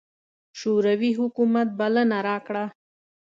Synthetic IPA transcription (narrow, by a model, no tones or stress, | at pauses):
ʃoɾawiɦʊkumat̪̚balənaɾɑkɽa